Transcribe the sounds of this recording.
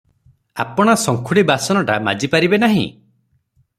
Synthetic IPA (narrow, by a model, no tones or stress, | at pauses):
a̰pɔɽ̃asɔŋkʰuɽibasɔnɔʈama̰d͡ʒipaɾibenaɦḭ̃